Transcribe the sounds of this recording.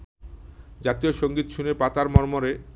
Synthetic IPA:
d͡ʑat̪ioʃoŋɡit̪ʃunepat̪aɾmɔɾmoɾe

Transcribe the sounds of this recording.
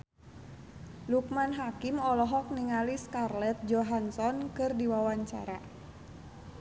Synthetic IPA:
luk̚manɦakimɔlɔɦɔk̚niŋaliskarlɛt̪̚d͡ʒɔɦansɔnkɨrdiwawaɲt͡ʃa̰ɾa̰

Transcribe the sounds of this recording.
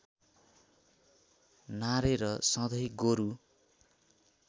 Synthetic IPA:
naɾeɾʌsʌ̃d̪ʱʌjɡoɾu

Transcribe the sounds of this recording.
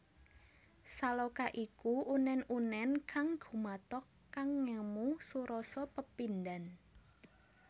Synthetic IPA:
salokaʔikuʔunɛnunɛnkʰaŋɡ̥ṳmat̪ɔkːaŋːəmusuɾɔsɔpəpindan

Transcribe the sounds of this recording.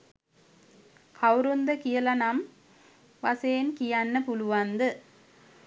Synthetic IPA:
kʰɐwɾund̪ɐkijɐlɐnɐm | ʋɐseːnkijanːɐpuluʋand̪ɨ

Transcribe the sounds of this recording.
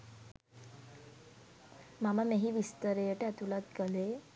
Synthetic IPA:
mamamẽɦiːʋist̪əɾeəʈeat̪ulat̪kəle

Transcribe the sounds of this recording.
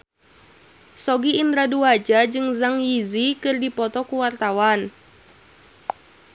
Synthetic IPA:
sɔɡiːnd̪ɾaduad͡ʒad͡ʒɨŋzaŋjizikɨrdipɔt̪ɔkuwart̪awan

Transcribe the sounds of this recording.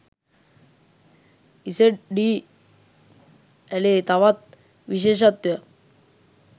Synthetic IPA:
iseʈɖi | ɛlet̪ɐʋɐt̪̚ | ʋiɕ̬eːʃɐt̪ʋɐ

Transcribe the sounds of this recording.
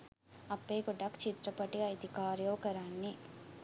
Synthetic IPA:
ɐpːeɡoɖɐkt͡ʃit̪ɾɐpɐʈiɐjd̪ikaːɾjoːkɐɾaːnːi

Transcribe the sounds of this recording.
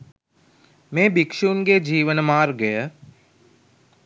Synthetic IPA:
mẽːbɪkʃuːnked͡ʒiːʋənmaːɾɡəje

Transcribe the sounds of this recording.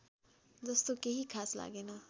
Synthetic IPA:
d͡zʌst̪okeɦikʰaːsla̰ːɡena

